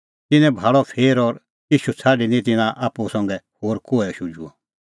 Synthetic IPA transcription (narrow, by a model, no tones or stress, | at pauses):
t̪ɪnɛ̃bʱaːɭɔpʰeːɾɔɾ | iʃut͡sʰaːɖinĩt̪̬ɪnãʔaːpːusɔ̃ŋɡɛhoːɾkoːɛʃud͡ʒuɔ